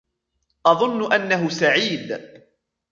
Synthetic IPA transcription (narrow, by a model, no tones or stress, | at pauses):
ʔɑðˤʊnːʊʔanːaɦʊsaʕiːd̪